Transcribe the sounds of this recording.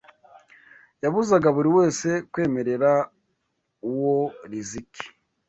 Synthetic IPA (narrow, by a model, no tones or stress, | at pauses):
jaβuzaɡaβuɾiwe̞ːse̞kwe̞ːme̞ɾe̞ɾa | uwoɾiziki̥